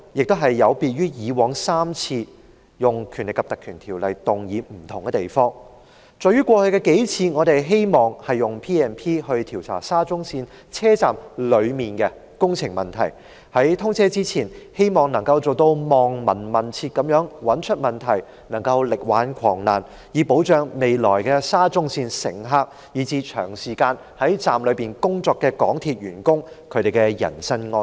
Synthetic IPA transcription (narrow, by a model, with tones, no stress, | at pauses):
jɪ˨k̚t̪o˥ɦɐ˨jːɐ˨˧wpiː˧t̚ɥyː˥jiː˨˧wɔː˨˥ŋsaː˥mt͡sʰiː˧ | jʊ˨ŋkʰyː˨˩nlɪ˨˩kːɐ˨p̚t̪ɐ˨kʰyː˨˩nt̪ʰiː˨˩wlɐ˨jt̪ʊ˨˩ŋjiː˨˧m̩˨˩t̪ʰʊ˨˩ŋkɛ˧t̪e˨˩jfɔː˥ŋ | t͡sɔː˨˧jɥyː˥kʷɔː˧hɵ˧ɥkɛː˧ke˨˥jt͡sʰiː˧ŋɔː˨˧t̪e˨jɦe˥jmɔː˨˩ŋhɐ˨jːʊ˨ŋpʰiː˥ɛː˨˩npʰiː˥ɦɵ˧ɥt̪ʰiː˨˩wt͡sʰa̰ː˨˩saː˥t͡sʊ˥ŋsiː˧n | t͡sʰɛː˥t͡saː˨mlɵ˨˧ɥmiː˨nkɛː˧ | kʊ˥ŋt͡sʰɪ˨˩ŋmɐ˨˩nt̪ʰɐ̰˨˩j | hɐ˨˥jt̪ʰʊ˥ŋt͡sʰɛː˥t͡siː˥t͡sʰiː˨˩nhe˥jmɔː˨ŋnɐ˨˩ŋkɐ˧wt͡so˨wt̪o˧wmɔː˨ŋmɐ˨˩nmɐ˨˩nt͡sʰiː˧t̚kɐ˨˥mjœː˨˥ŋwɐ˨˥nt͡ʃʰɵ˥t̚mɐ˨˩nt̪ʰɐ˨˩j | nɐ˨˩ŋkɐ˧wlɪ˨k̚waː˨˥nkʷʰɔː˨˩ŋna̰ː˨˩n | jiː˨˧po˨˥wt͡ʃœː˨˧ŋme˨jlɔ̰ː˨˩jkɛ˧saː˥t͡sʊ˥ŋsiː˧nsɪ̰˨˩ŋɦaː˧k̚ | jiː˨˧t͡siː˧t͡ʃʰœː˨˩ŋsiː˨˩kaː˧n | hɐ˨˥jt͡saː˨mlɵ˨˧ɥpiː˨nkʊ˥ŋt͡sɔː˧kːɛː˧kɔː˨˥ŋt̪ʰiː˨t̚ɥyː˨˩nkʊ˥ŋ | kʰɵ˨˧ɥɾe˨jkɛ˧jɐ̰˨˩nsɐ˥nŋɔː˧